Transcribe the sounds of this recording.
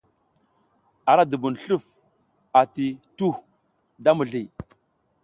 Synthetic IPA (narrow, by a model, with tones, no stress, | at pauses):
a˨ɾa˦du˨bu˨n˨ɬu˦˨f | a˨ti˨tu˦˨h | da˦mu˨ɮi˨